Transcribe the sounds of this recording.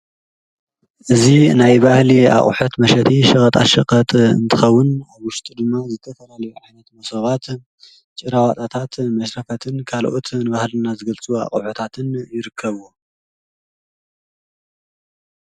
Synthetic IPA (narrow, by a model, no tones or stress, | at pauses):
ʔɨzinajbahlia̰χʼṵħut̪mɐʃɐt̪ʰiʃɐxɐt̪ʼa̰ʃɐqʼɐt̪ʼɨ̰nt̪ʰɨxɐwːʊnaβwʊʃt̪ʼud̪ɨmːazɨt̪ʰɐfɐlalɐjuʕajnɐt̪mɐsoβat̪ | t͡ʃʼɨɾawat̪ʼat̪ʰat̪mɐʃɾɐfɐt̪ʰɨnkʰalʔot̪nɨbahlɨnːazɨɡɐlt͡sʼua̰χʼṵħut̪ʰat̪ʰɨnjɪɾɨkʰːɐβo